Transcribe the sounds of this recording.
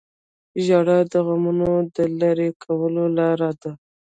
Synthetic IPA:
ʒɑɽad̪əɣamunod̪əlaɾekʰawəlolaɾad̪a

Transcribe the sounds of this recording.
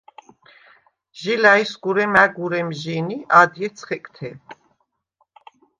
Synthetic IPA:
ʒilaisɡuɾɛmæɡuɾɛmʒiniad̪jɛt̪sʰχɛkʼt̪ʰɛ

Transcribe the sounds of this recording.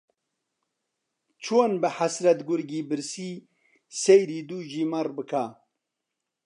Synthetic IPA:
t͡ʃʰoːnbɨħasɾɐt̪ɡʊɾɡiːbɨɾsiː | sejɾiːd̪uːʒiːmɐrbɨkʰa

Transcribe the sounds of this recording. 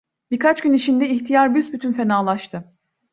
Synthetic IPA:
biɾkʰat͡ʃɟynit͡ʃind̪ɛiçt̪ʰijaɾbysbyt̪ʰynfe̞naːlˠaʃt̪ʰɯ

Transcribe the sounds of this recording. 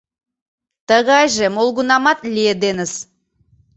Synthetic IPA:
t̪əɣɑjʒəmolˠɡunɑmɑt̪lʲied̪enɪz̥

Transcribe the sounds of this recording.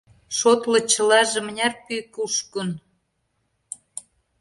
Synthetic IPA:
ʃot̪lɤ̆t͡ɕə̆lɑʒĕmənʲærpykuʃkən

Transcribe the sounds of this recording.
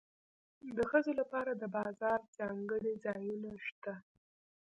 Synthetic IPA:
d̪əxəzolapɑɾad̪əbɑzɑɾzɑŋɡəɽizɑjunaʃt̪a

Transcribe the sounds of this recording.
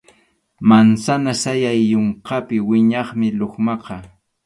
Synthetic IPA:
mansanasajajːoɴqɑpɪwɪɲɑχmɪloχmɑqɑ

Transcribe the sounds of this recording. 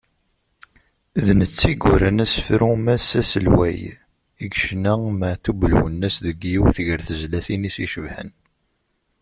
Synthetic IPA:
ðnət͡sːiɡʊɾənæsfɾumæsːæsəlwæ̰j | iɡʃnæməʕθubəlwə̰nːæsðəɡjiwθʝəɾθəzlæθinisiʃəvħə̰n

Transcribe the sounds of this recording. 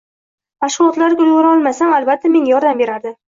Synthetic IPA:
maʃʁʊlˠɒt̪laɾɡʲʊjɡʊɾaɒlˠmasamalbat̪ʰːame̞ŋjɒɾd̪ambe̞ɾaɾd̪ɪ

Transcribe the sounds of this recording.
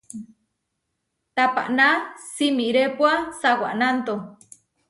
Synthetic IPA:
t̪apa̰ʔnasimiɾepwasawa̰ʔnant̪o

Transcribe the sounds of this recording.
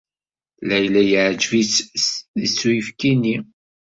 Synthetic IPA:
læjlæjəʕd͡ʒvisəsːujəfkini

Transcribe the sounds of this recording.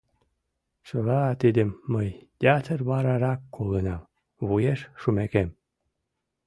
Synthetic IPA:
ʃəlɑt̪id̪əmːəjt̪ʲeat̪ʰərβɑɾɑɾɑkːolənɑm | βujeʃʃumækem

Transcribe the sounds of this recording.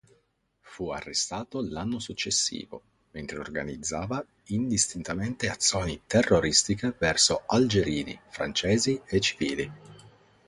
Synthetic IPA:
fua̰rːest̪aːt̪olanːosut͡ʃːesːḭːvo̰ | ment̪ɾeo̰rɡa̰nid̪zːaːva | ind̪ist̪int̪ament̪eat̪sːjoːnit̪erːoɾist̪ikevɛrsoald͡ʒeɾiːnḭfɾant͡ʃɛːziet͡ʃːi̥viːli

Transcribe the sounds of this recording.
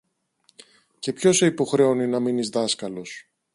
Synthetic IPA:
ce̞pço̞seipo̞xɾe̞oninɐminizðɐskɐlo̞s

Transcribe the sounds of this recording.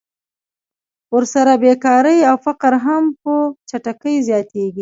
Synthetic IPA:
wəɾsaɾabekɑɾəjawfaqɾɦampət͡ʃaʈakəjzjɑt̪eɡi

